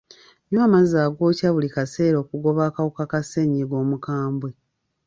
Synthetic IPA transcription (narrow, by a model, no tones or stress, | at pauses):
noamazaːɡo̞ːcaβulikase̞ːɾo̞ːkuɡo̞βaːkawukakase̞ɲiɡo̞ːmukaːmbwe